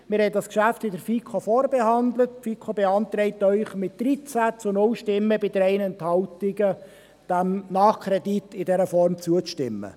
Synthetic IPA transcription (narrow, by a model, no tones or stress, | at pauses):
mɪːɾhɛtdɑskʃæftɪdəɾfiːkχofɔɾbeɦɑnd̪lətfikʰobeɑnt̪ɾɛɪt̪œʏχmɪt̚d̪̥ɾit͡sæt͡sʊnʊlʃtɪmːəbɪdəɾɛɪnɛnthɑltɪɡə | d̥æmnɑːχkʰɾɛditɪdɛɾəfɔrmt͡suət͡stɪ̰mːə̰